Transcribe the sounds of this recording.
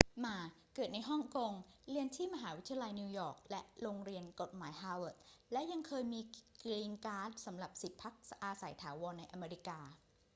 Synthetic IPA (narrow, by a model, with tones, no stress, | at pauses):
maː˧ | kɤː˨˩t̪̚na˧jɦɔ˥˩ŋko˧ŋɾi˧ənt̪ʰiː˥˩ma˧ɦaː˩˦wi˦˥t̪ʰːa˧la˧jniː˧wjɔː˨˩k̚lɛ˦˥ʔɾoː˧ŋɾi˧ənko˨˩t̪̚maː˩˦jɦaː˧wə˨˩t̪̚lɛ˦˥ʔja˧ŋkʰɤː˧jmiː˧kliː˧ŋkaː˦˥t̪̚sa˩˦mɾa˨˩p̚si˨˩t̪̚pʰa˦˥k̚sʔaː˧sa˩˦jt̪ʰaː˩˦wɔː˧nːa˧jʔa˧meː˧ɾi˦˥kaː˧